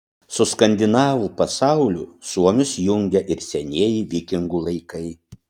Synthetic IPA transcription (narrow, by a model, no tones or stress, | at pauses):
sʊskɐnʲd̪ʲɪnɑːʋuːpɐsɑˑʊlʲuːˑsuɔmʲʊsjʊŋʲɡʲɛʔɪɾsʲɛnʲeɛjiːʋʲɪkʲɪŋɡuːlˠɐɪkɐɪ